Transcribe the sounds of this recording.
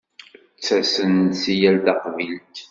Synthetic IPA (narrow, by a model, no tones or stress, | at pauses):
t͡sːæsənt̪sijæld̪ɑqvilt̪